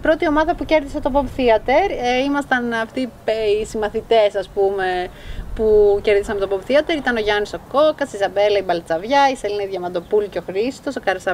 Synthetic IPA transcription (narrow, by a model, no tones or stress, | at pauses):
pɾo̞t̪io̞mɐðɐpuce̞ɾðiset̪opobθiɐt̪e̞ɾeimɐst̪ɐnɐft̪iisimɐθit̪e̞sɐspume̞puce̞ɾðisɐmt̪opobθiɐt̪e̞ɾit̪ɐno̞ʝɐniso̞ko̞kɐsizɐbe̞lɐibɐlt͡sɐvʝɐiselinɐiðʝɐmɐnd̪o̞pulceo̞xɾist̪o̞so̞kɐɾesɐ